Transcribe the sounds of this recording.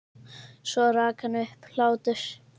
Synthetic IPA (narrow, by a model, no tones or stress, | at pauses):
sɔɾaːkʰanʏhpl̥aːwt̪ʏɾ̥